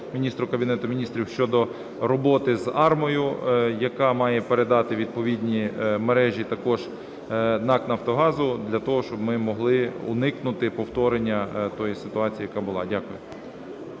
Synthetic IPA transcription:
mʲinʲist̪ɾʊkɐbʲinɛt̪ʊmʲinʲist̪ɾʲiwʃt͡ʃɔd̪ɔ | ɾɔbɔt̪ɪzɑrmɔjʊjɐkɑmɑjɛpeɾed̪ɑt̪ɪʋʲid̪̚pɔʋʲid̪ʲnʲimeɾɛʒʲit̪ɐkɔʒ | nɑknɐɐwt̪ɔɦɑzʊd̪lʲɐt̪ɔɦɔʃt͡ʃɔbmɪmɔɦlˠɪʊ̰nɪknʊt̪ɪpɔwt̪ɔɾenʲːɐt̪ɔjisɪt̪ʊɑt͡sʲijɐkɑbʊlˠɑdʲakʊjʊ

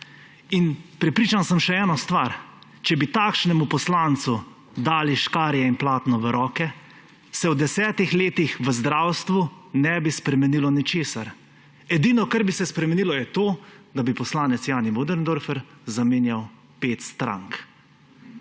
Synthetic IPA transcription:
inpɾɛpɾiːt͡ʃansəmʃɛɛːnɔst̪ʋaɾ | t͡ʃɛbit̪aːkʃnɛmupɔslant̪su | d̪aːliʃkaːɾjɛinplaːt̪nɔʋəɾɔːkɛ | sɛwd̪ɛsɛːt̪ixleːt̪ixʋəzd̪ɾaːwst̪ʋu | nɛːbispɾɛmɛnilɔnit͡ʃeːsaɾ | ɛd̪iːnɔkaɾbisɛspɾɛmɛnilɔjɛt̪oːd̪abipɔslaːnɛt̪sjaːnimod̪ɛɾnd̪oɾfɛɾzameːnjaw | pet̪st̪ɾa̰ŋk

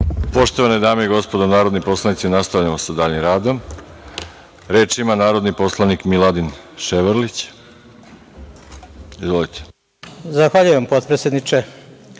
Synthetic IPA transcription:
po̞ʃt̪o̞ʋaned̪aːmeiɡo̞spod̪onaːɾo̞d̪nipo̞slˠanit̪sinast̪aʋʎamo̞sad̪aːʎimɾaːd̪o̞m | ɾeːt͡ʃimanaːɾo̞d̪nipo̞slˠanikmilˠad̪inʃeʋəɾlit͡ɕ | izʋo̞lit̪ʰe̥ | zaxʋaʎujempot̪pɾesjʲed̪nit͡ʃe

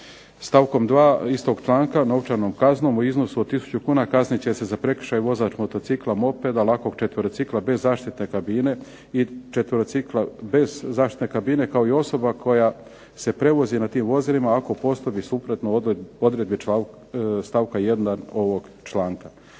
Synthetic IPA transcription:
st̪aːʋko̞md̪ʋaːist̪o̞ɡt͡ʃlˠaːŋkano̞wt͡ʃaɾno̞mkazno̞ːmuizno̞suod̪t̪isu̥t͡ɕukuːnakaznit͡ɕe̞se̞zapɾe̞k̩ʃaːjuʋo̞zaːt͡ʃmo̞t̪o̞t̪siklˠamo̞pe̞d̪alako̞ɡ̚t͡ʃet̪ʋəɾot̪siklˠabe̞zːaːʃt̪it̪ne̞kabine̞ | it͡ʃet̪ʋəɾot̪siklˠabe̞zːaːʃt̪i̥t̪nekabine̞kao̞io̞so̞bakʰo̞ja | se̞pɾe̞ʋo̞zinat̪iːmʋo̞zilimaːko̞po̞st̪obisupɾot̪noo̞d̪ɾed̪̚bia | st̪aːʋkajed̪naoʋoɡt͡ʃlaːŋka

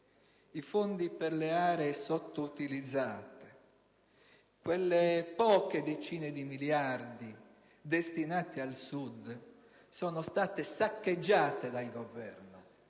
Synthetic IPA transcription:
ifond̪iperleaːɾeːsot̪ːout̪ilid̪zːaːt̪e̥ | kwelːepɔːked̪et͡ʃiːned̪imiljard̪i | d̪est̪inaːt̪ialsud̪ | sɔːnost̪aːt̪esakːed͡ʒːaːt̪ed̪alɡovɛrno

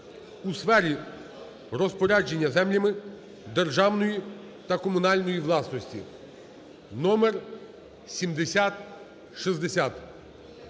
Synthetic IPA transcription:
usfɛɾʲi | rɔspɔɾʲad͡ʒe̞nʲːɐzɛmlʲɐmɪ | d̪erʒɑwnɔji | t̪ɐkɔmʊnɑlʲnɔjiʋlˠɑsnɔsʲtʲḭ | nɔmer | sʲimd̪esʲat̪ | ʃizd̪esʲat̪

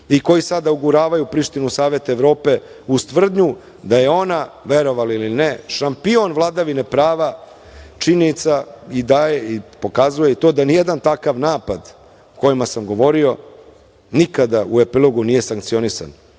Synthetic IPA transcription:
iko̞jisad̪auɡuɾaːʋajupɾiʂt̪inusaːʋe̞t̪eʋɾo̞ːpe̞ | ust̪ʋr̩d̪ɲu | d̪aje̞o̞naʋe̞ɾo̞ʋalilineʃampio̞nʋlˠad̪aʋine̞pɾaːʋa | t͡ʃiniit̪said̪ajeipo̞kazujeit̪o̞ːd̪anijed̪ant̪akaʋnaːpad̪ | ko̞jimasamɡo̞ʋo̞ɾio̞ | nikad̪aue̞pilˠoɡunije̞saŋkt̪sio̞nisa̰n

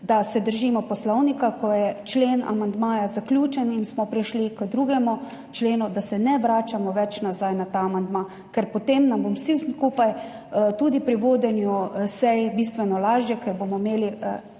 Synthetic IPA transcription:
d̪asɛd̪əɾʒiːmɔpɔslɔwnikakɔjɛt͡ʃleːna̰mand̪maːjazaklʲjuːt͡ʃɛninsmɔpɾiʃlikd̪ɾuɡɛmu | t͡ʃleːnud̪asɛnɛʋɾaːt͡ʃamɔʋɛt͡ʃnazajnat̪aːmand̪ma | kɛɾpɔt̪emnambomsiskupaj | t̪uːd̪ipɾiʋoːd̪ɛnjusɛjbist̪ʋɛnɔlaːʒjɛkɛɾbomɔimeːli

